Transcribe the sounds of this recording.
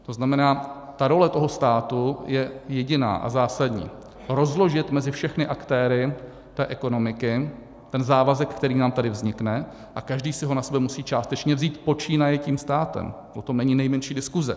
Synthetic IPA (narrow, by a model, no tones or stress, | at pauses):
t̪o̞znamɛnaːt̪aɾo̞lɛt̪o̞ɦost̪aːt̪ujɛjɛɟɪna̰ːʔa̰zaːsadɲḭː | ɾo̞zlo̞ʒɪt̪mɛzɪfʃɛxnɪʔakt̪ɛːɾɪ | t̪ɛːʔɛko̞no̞mɪkɪ | t̪ɛnzaːvazɛkkt̪ɛɾiːnaːmt̪adɪvzɲɪknɛ | ʔakaʒdiːsɪɦo̞nasɛbɛmusiːt͡ʃaːst̪ɛt͡ʃɲɛvziːt̪po̞t͡ʃiːnajɛciːmst̪aːt̪ɛ̰mpɾot̪omnɛɲiːnɛjmɛnʃiːdɪskuzɛ̰